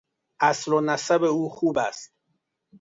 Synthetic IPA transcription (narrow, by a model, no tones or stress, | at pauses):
ʔæslonæsæbeuːxuːbæst̪̚